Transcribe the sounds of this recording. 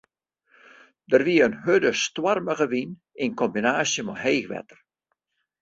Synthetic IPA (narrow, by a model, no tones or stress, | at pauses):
dərʋiəənhødəstwarməɣəʋin | ɪnkɔmbinaːsjəmɔɦeːxʋɛ̰tə̥r